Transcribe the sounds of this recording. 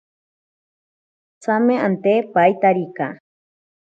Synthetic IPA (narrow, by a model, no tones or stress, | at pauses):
t͡samẽant̪epajt̪aɾika